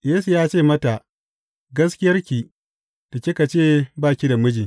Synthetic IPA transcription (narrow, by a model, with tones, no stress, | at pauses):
jeː˦su˨jaː˦t͡ʃeː˦˨mɐ˦ta˨ʔ | ɡɐ˦skʲɪ˦jɐ˦rkʲi˨ | ta˨kʲi˦ka˨t͡ʃeː˦˨baː˦˨kʲi˦da˨mʊ˦d͡ʒiː˨